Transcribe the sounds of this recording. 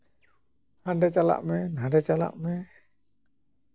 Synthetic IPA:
hanɖɛt͡ʃala̰ʔmɛnaɖɛt͡ʃala̰ʔmɛ

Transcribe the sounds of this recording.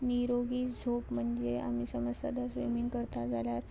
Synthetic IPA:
niɾoɡiːd͡zʱopm̤əɳd͡zea̰m̤iːsəməsa̰d̪asʋḭmiŋɡkəɾt̪ad͡zaljaɾ

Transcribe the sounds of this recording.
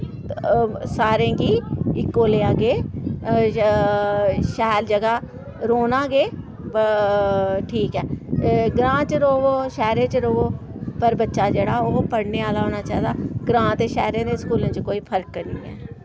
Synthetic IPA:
saːɾẽːɡiːɪkːoːleːaːɡeː | ʃɛːɾd͡ʒəɡaː | ɾoːnaːɡeː | ʈʰiːkɛːɡɾãːt͡ʃəɾoːʋoːʃɛːɾẽːt͡ʃɾoːoːpəɾbətːʃaːd͡ʒeːɽaːoːpəɽneːaːlaːoːnaːt͡ʃaːd̪aːɡɾãːt̪eːʃɛːɾẽːd̪eːskuːlẽːt͡ʃkoːiːpʰəɾkːəɾnĩːɛ̰ː

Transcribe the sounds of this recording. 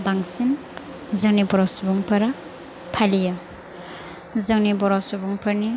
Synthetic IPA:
baŋsin | zɯŋnibɔɾɔsbuŋpʰɐɾa | pʰalija | zɯŋnibɔɾɔsubuŋpʰɐɾni

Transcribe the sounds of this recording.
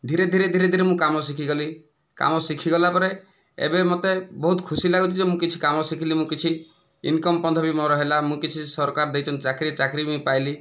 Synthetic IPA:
d̪ʱiɾed̪ʱiɾed̪ʱiɾed̪ʱiɾemũkamɔsikʰiɡɔli | ka̰mɔsikʰiɡɔlapɔɾe | ḛbemot̪ebɔɦut̪kʰusilaɡut̪ʰid͡ʒemũkit͡ʃʰi̥kamɔsikʰilimũkit͡ʃʰi | ḭnkɔmpɔnd̪ʰɔbimɔɾɔɦelamũkit͡ʃʰisɔɾkaɾd̪ejt͡ʃʰɔnt͡ʃakɾit͡ʃakɾiĩpajli

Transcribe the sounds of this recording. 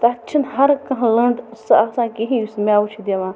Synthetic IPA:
t̪ɐɐtːt͡ʃʰinɦɐɾkɐ̃ɦlɐɳɖsasãːkeɦĩsmʲaːut͡ʃʰid̪eʋãː

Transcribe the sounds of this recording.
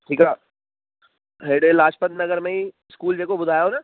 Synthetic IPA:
ʈʰiːkaː | ɦeːɽelaːt͡ʃpənnɐɡəɾmẽĩ | skuːld͡ʒeːkobʊd̪ʱaːjõna

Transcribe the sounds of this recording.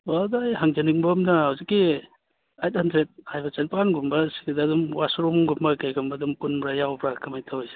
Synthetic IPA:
wadaːjɦaŋd͡ʒɐniŋbɐmnɐhawzikːi | ajt̚handɾet̚hajbɐt͡ʃenpanɡumbɐsi̥ɡadaːdumwasɾɔmɡumbɐkajkʰambɐdumpunbɾajawbɾakɐmajtʰawjs

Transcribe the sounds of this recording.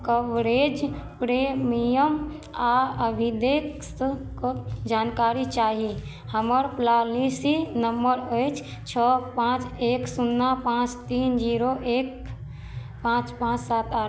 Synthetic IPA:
kəʋɾed͡ʒpɾemijəm | aəbʱid̪ekskd͡ʒankaɾit͡ʃaːɦi | həməɾplalisinəmbəɾəjt͡ʃʰ | t͡ʃʰɔpãt͡ʃeksunːapãt͡ʃt̪ind͡ʒiɾoʔek | pãt͡ʃpãt͡ʃsat̪aɾ

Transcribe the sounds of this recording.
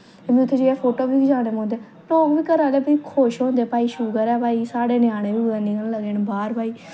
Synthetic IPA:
t̪eːbĩʊt̪ʰːeːd͡ʒeeːpʰoːʈoːbiːkd͡ʒaːɽeːmõːnd̪eː | noːkbiːkəɾaːleːbikʰoːʃɦõːnd̪eːpaːiːʃuːɡəɾɛːpaːiːsaːɽeːnjaːɽ̃eːbiːblənĩːkənːləɡeːnbaːɾbaːiː

